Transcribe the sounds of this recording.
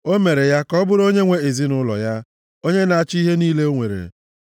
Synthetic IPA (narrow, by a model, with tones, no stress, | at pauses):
o˦me˨ɾe˨ja˦kɔ˦bʊ˦ɾo˦ɲe˦ŋʷe˦e˨zi˦nʊ˦lɔ̰˨ja˦ | o˦ɲe˦na˨a˨t͡ʃi˦ɦe˦niː˦le˦o˦ŋʷe˨ɾḛ˨